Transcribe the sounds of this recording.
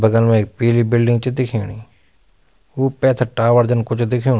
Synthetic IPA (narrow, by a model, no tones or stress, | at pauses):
bəɡəlmɛ̃ːɪk̚peːliːbɪlɖɪ̃ŋɡt͡ʃd̪ɪkʰiɳiː | uːpɛːt̪ʰəʈaːʋəɾd͡ʒənkʊt͡ʃʰd̪ɪkʰːõ